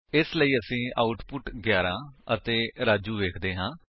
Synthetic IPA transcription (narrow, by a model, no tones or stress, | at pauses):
ɪsləiːəsĩːaːʊʈpʊʈɡjaːɾãːət̪eːɾaːd͡ʒuːʋeːkʰd̪eːɦãː